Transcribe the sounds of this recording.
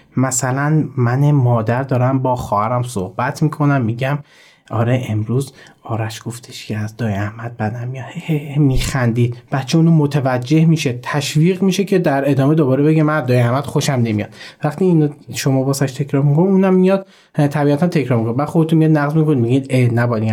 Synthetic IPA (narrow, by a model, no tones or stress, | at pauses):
mæsælænmænemɒːd̪æɾd̪ɒːɾæmbɒːxɒːhæɾæmsohb̥æt̪ʰmiːkʰo̞næmːiɟæm | ʔɒ̰ːɾeemɾuːzɒːɾæʃɡ̥o̞ft̪ʰe̥ʃcʰeæzd̪ɒːjæhmæd̪̥̚bæd̪ænmijɒd̪ehemiːxænd̪iːd̪b̥æt̪t͡ʃʰeuːnumot̪ʰevæd͡ʒːe̞hmiːʃet̪ʰæʃviːɣmiʃe̞cʰe̞d̪æɾe̞d̪ɒːmed̪obɒːɾebe̞ɡemænæzd̪ɒːjeæhmæd̪̥xoʃæmne̞mijɒ̰d̪̥væχt̪ʰiːnʃomɒːbɒːsæʃt̪ʰe̞kʰɾɒːɾmikʰonuːnæmːijɒd̪̥ | t̪ʰæbiːæt̪ʰænt̪ʰecʰɾɒɾmikʰonbæd̪̥xo̞d̪et̪unmijɒːd̪næɣzmikʰonimiɡid̪enæbɒli